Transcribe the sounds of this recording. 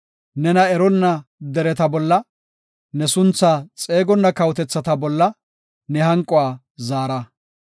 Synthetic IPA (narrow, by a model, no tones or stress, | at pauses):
nɛnɐɛɾɔnːɐd̪ɛɾɛt̪ɐbɔlːɐ | nɛsʊnt͡sːaːt͡sʼe̞ːɡɔnːɐkɐwʊt̪ɛt͡sːɐt̪ɐbɔlːɐ | nɛɦɐŋkʼːɔwaː | zaːɾɐ